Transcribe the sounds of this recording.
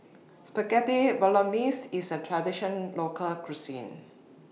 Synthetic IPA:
spəkɛtibɔlɔnisisətʰɹɛdiʃə̃nlokʰəlkɹusḭ̃n

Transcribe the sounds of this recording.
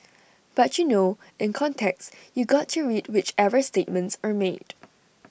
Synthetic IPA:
b̥atjuno | ɪ̃nkʰɔ̃ntʰɛksjuɡɔtʰːuɹidwɪt͡ʃɛvəstet̚mə̃ntsəmed̥

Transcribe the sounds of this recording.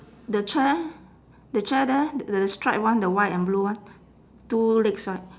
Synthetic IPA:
dət͡ʃɛ | dət͡ʃɛdɛəstɹaɪt̚wãndəwajtɛ̃nbluwãn | tulekswaɪt̚

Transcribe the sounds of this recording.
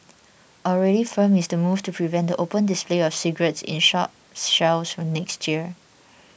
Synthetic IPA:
ʔɔlɹɛɾifə̃mɪsdəmuvtupʰɹivɛ̃ntdəʔopə̃ndɪspleɔfsiɡɹətsɪ̰̃nʃɔp̚ | ʃaʊsfɹɔ̃mnɛkstjiə

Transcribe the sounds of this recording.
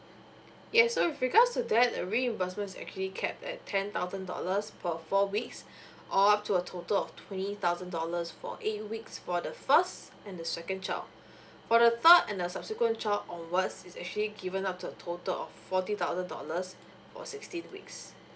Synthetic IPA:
jɛsoifɹiɡadstudɛt̚ə̰ɹiɛ̃mbɛsmə̃ntɪsɛ̰k̚t͡ʃuəlikʰɛp̚tɛ̰tʰːɛ̃nt̪aʊzə̃ndɔ̰ləspʰəfɔwiks | ʔɔap̚tʰuətʰotəlɔftʰw̥ɛ̃ntit̪aʊzə̃ndɔləsfɔ̰ʔet̚wiksfɔdəfəst | ɛ̃ndəsɛkə̃nt͡ʃa̰ | fɔdəθədɛ̃ndəsabsikwə̃nt͡ʃaɔ̃nwatsisɛk̚t͡ʃəliɡivə̃nap̚tʰuətʰotəlɔ̰ffɔtit̪aʊzə̃ndɔ̰ləs | fɔ̰sikstĩnwḭks

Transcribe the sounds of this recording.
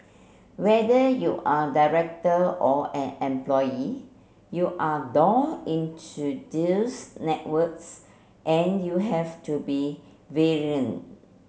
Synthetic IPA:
wɛdəjuʔadaɹɛk̚təʔɔɛ̃nɛ̃mplɔji | juʔadɔ̃ŋĩntʰudisnɛtwəks | ʔɛ̃njuɦɛftubi | veɹiə̃n

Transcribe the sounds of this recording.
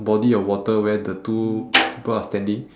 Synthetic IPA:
bɔdiɔwɔtəwɛdətupʰipəlastɛ̃ndĩŋ

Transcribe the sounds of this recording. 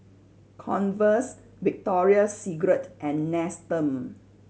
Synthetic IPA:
kʰɔ̰̃nvəs | vik̚tɔɹiəsiɡɹətʔɛ̃nːɛstə̃m

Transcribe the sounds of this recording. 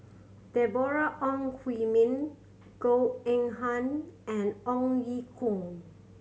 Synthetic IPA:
dɛbɔɹaʔɔ̃ŋkʰwimĩn | ɡ̥oɛ̃ŋɦãnɛ̃nɔ̃ŋjikʰũŋ

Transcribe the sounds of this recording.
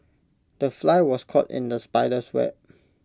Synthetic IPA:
d̥əflaɪwɔskʰɔtɪ̰̃ndəspaɪdəswɛ̰p̚

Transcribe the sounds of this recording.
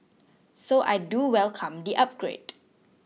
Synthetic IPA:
soʔa̰jduwɛlkʰãmdiʔap̚ɡ̥ɹḛd

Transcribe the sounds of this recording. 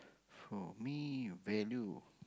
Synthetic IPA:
fɔmivɛlju

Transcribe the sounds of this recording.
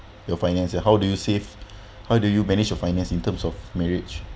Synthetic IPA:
jɔfãɪjnɛ̃nsɛ̃hɦawdujusev | haʊdujumɛnid͡ʒjɔfãɪ̃nɛ̃nsĩntə̃msɔfmɛɹid͡ʒ

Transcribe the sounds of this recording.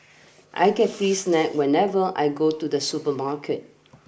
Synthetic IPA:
ʔa̰jɡɛt̚fɹisnɛk̚wɛ̃nɛvəʔa̰jɡotudəsupəmakʰət̚

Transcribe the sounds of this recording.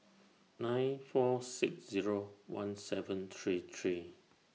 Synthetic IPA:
nãɪ̃nfɔsiksziɹowã̰nsɛvə̃nt̪ʰɹit̪ʰɹi

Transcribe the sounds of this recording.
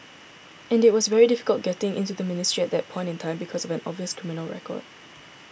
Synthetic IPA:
ɛ̃nɪt̚wɔsvɛɹidɪfɪ̥kəlˠt̚ɡ̥ɛtɪ̃ŋʔɪ̰̃ntuðəmɪnɪstɹ̥iɛt̚d̪ɛt̚pʰɔ̃ɪ̃ntɪ̃ntʰãɪ̃mbikʰɔsɔvɛ̃nɔ̰bviəskʰɹimɪnəlˠɹɛ̰kʰɔ̰d̥̚

